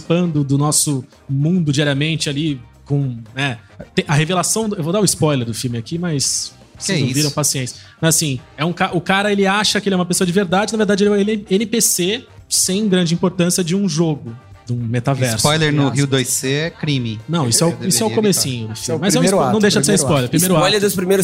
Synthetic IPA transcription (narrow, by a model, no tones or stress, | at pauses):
pɐ̃nd̪ʊd̪ʊnɔsʊ | mũd̪ʊd͡ʒiaɾiɐmẽnt͡ʃɪali | kõnɛt̪ẽɐhevelasɐ̃w̃ewvod̪aɾʊɪspɔjleɾd̪ʊfiwmɪakimɐjs | sɛ̃iviɾɐ̃w̃pasiẽnsmɐzasĩɛũkaɾʔʊkaɾɐelɪaʃɐkɪelɛũmɐpesoɐd͡ʒɪveɾd̪ad͡ʒɪnɐveɾd̪ad͡ʒɪelɛẽnɪpesesẽj̃ɡɾɐ̃nd͡ʒɪĩpoɾt̪ɐ̃siɐd͡ʒɪũʒoɡʊ | d̪ũmet̪avɛɾsɔjleɾnʊɦiwd̪ojseɛkɾimɪnɐ̃w̃isʊɛʊisʊɛʊkomesĩɲʊd̪ʊfimɪmɐzɛ̃ɾaɐ̃w̃d̪eʃɐd͡ʒɪseɾ̃spɔjjleɾpɾimejɾʊaɔjleɾʊspɾimejɾʊ